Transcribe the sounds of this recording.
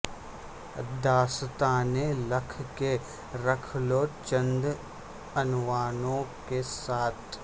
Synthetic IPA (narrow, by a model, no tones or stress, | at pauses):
d̪aːst̪aːneləkʰke | ɾɐkʰlot͡ʃə̃nd̪ | ɐnʋaːnõkesaːt̪ʰ